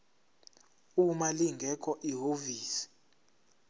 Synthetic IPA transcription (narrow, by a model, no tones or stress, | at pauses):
umaliŋɡʱɛkʰʼɔʔiɦoviːsi̥